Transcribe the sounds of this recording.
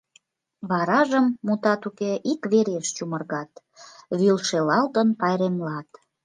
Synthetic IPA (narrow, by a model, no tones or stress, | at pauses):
βɑɾɑʒəmːut̪ɑt̪ukeʔikβeɾeʃt͡ɕumərɣɑt̪ | βylʃelɑlt̪ənpɑjɾemlɑt̪